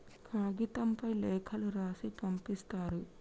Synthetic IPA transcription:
kʰaːɡit̪ɐmpɐjlɛːkʰɐluɾaːsipɐmpist̪aːɾu

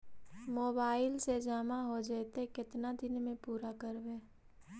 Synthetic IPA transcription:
moːbaːɪlsed͡ʒaːmaɦod͡ʒaːt̪ekɪt̪nad̪ɪnmẽpuːɾakəɾʋẽː

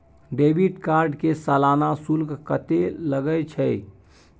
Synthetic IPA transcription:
ɖebiʈkaɾɖkesalanasulkkət̪eləɡət͡ʃʰɛj

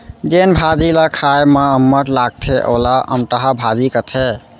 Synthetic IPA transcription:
d͡ʒenbʱad͡ʒilakʰajmãəmːəʈlaɡ̚t̪ʰeʔo̰laʔə̰mʈ̪əɦabʱad͡ʒikət̪ʰe

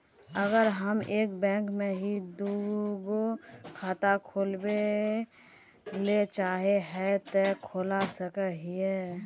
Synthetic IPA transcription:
əɡəɾɦəmeːk̚bɛ̃ːŋkmẽɦid̪uɡokʰaːt̪akʰoːlbe | let͡ʃaːɦeɦɛt̪ekʰoːlasəkəɦie

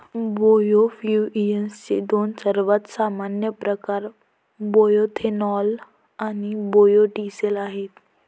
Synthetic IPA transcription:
bojofjuijənst͡ɕḛd̪onsəɾʋat̪samanjəpɾəkaɾ | bojot̪ʰenɔl | anibojoʈiselaɦet̪

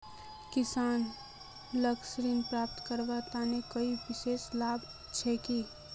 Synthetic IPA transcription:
kɪsaːn | ləksɾiːnpɾaːp̚t̪kəɾbat̪anekəibɪʃeːslaːb | t͡ʃʰɛki

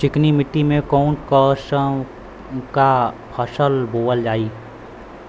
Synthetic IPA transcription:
t͡ʃɪknimɪʈːimẽkaʊ̃ɳʈkəsə | kapʰəsəlboːəld͡ʒaːiː

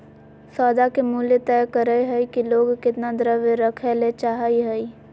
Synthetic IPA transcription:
sɔːd̪akemuːljet̪ɛːkəɾəeɦɛikiloːɡkɪt̪nad̪ɾəʋeɾəkʰɛlet͡ʃaːɦəiɦɛi

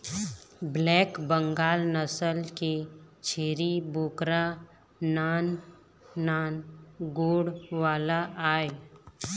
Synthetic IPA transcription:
blɛːkbə̃ŋɡaːlnəsəlket͡ʃʰeːɾiboːkɾa | naːnː | aːnɡoːɽʋaːlaʔaːe

